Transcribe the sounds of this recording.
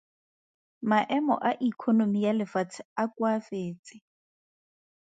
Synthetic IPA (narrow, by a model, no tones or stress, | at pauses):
maʔɛmɔ̰ʔaʔikʰonomijalɪfat͡sʰakwafeːt͡sʼɪ